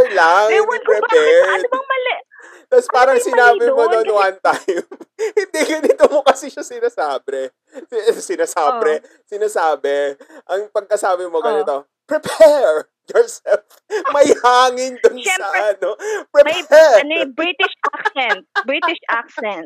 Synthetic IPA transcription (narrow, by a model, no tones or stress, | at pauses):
ɛlaŋwɾɛpɛd̪bɐŋmɐlɛʔ | t̪ɐspaːɾɐŋsɪnaːbɪmoonwant̪ajmhɪnd̪iɡɐd̪ɪt̪omokɐsiʃɐsɪnasaːbɾɛ | sɪnaːsaːbɾɛ | sɪnaːsaːbɛʔɐŋpɐɡ̚kɐsaːbɪmoɡɐnɪt̪o | pɹɛpʰɛɹ | jɔɹsɛlf | mɐjhaːŋɪnd̪ʊnsɐʔɐnopɾɛpɛnjbɾit̪ɪʃaksɛnt̪̚bɹit̪ɪʃʔaksɛnt̪̚